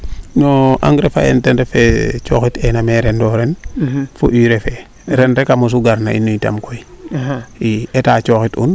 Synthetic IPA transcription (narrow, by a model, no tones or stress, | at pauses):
noʔa̰ŋɡɾefa̰ḛntenɾefet͡ʃoxitenameɾendoɾenfṵʔiːɾefe | ɾenɾekamos̬uɡaɾna̰ḭnːuita̰mkoi | ietaːt͡ʃoxitṵn